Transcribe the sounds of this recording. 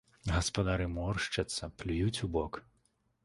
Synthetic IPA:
ɣɐspɐd̪aɾɨmɔrʂt͡ʂɐt̪sːɐplʲujut͡sʲubɔk

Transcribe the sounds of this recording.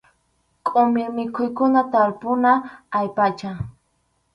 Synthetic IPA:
kʼʊmɪɾmɪkʰʊjkʊnat̪aɾpʊnaːjpat͡ʃa

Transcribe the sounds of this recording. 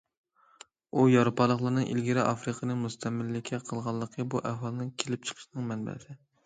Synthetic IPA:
ujɑɾupɑlˠəχlˠəɾnɨŋʔḭlɡʲiɾɪʔɑfɾɨqʰənɨmust̪ʰɛmɪlːɪkʲʰːɛqʰəlˠʁɑlˠːəqʰəbuʔæɦɑlˠɨnɨŋkʲʰelɪp̚t͡ʃʰə̥qʰə̥ʃnɨŋmɛnbɛ̰sɪ

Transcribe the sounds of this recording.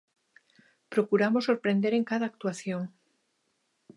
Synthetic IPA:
pɾokuɾamosoɾpɾend̪eɾeŋkaðaːk̚t̪uaθjoŋ

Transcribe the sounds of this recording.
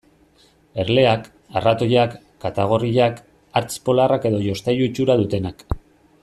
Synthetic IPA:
e̞ɾle̞ak | arat̪o̞jakː | at̪aɣ̞o̞riʎak | aɾt͡spo̞larake̞ðo̞ʝo̞st̪ajuit͡ʃuɾaðut̪e̞nak

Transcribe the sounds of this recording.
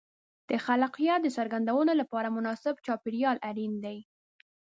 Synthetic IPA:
d̪̥əxalqjɑd̪əsaɾɡand̪awənolapɑɾamʊnɑsɪbt͡ʃɑpɪɽjɑlʔaɾind̪aj

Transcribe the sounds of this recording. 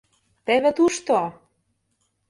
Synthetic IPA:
t̪ĕβɘ̆t̪uʃt̪o

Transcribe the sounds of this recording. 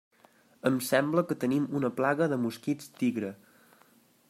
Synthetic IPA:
əmsɛmbləkət̪ənimunəplaɣəðəmuskit͡st̪iɣɾə

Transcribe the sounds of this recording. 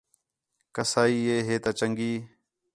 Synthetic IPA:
kəsaːiːeːɦeːt̪aːt͡ʃəŋɡiː

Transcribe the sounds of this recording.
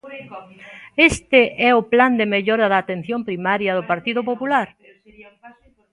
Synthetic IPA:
est̪ɪʔɛʊpland̪emeʎɔɾɐðaːt̪en̟θjompɾimaɾjɐðʊpaɾt̪iðʊpopulaɾ

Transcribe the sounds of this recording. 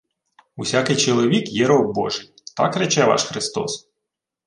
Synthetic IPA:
usʲakɪjt͡ʃɔlˠɔʋʲikjɛɾɔwbɔ̰ʒɪjt̪ɑ̰kɾet͡ʃɛʋɑ̰ʃxɾɪst̪ɔ̰s

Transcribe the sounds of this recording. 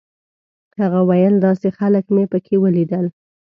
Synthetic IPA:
haɣawajəld̪ɑsexaləkmepəkʰewəlid̪əl

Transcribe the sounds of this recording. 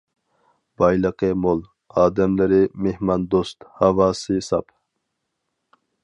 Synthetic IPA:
b̥ɑjlɑqemol | ɑːd̪ɛmlɪɾimehmɑnd̪ost̪hɑvɑːsisɑpʰ

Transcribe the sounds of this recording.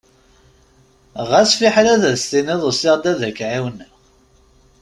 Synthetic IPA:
ʁæsfiħɾæðæst̪iniðˤəsɪʁd̪æðækʕiwn

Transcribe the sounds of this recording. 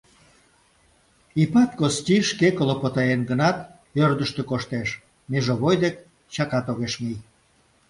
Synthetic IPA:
ipɑt̪̚kostʲiʃkekolopot̪ɑjenɡənɑt̪ | ørd̪əʃt̪ekoʃt̪eʃ | meʒoβojd̪ek | t͡ɕɑkɑt̪oɣeʃmij

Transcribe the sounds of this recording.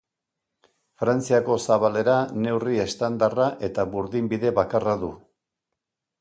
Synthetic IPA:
fɾant͡siako̞saβale̞ɾane̞wrie̞st̪and̪araʔe̞t̪aβuɾðimbiðe̞βakaraðu

